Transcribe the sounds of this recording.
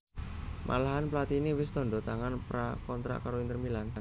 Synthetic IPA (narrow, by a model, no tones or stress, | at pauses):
mʔa̰laɦanplat̪iniwɪst̪ɔɳdɔt̪aŋanpɾakɔnt̪ɾa̰ʔkaɾoint̪ərmilan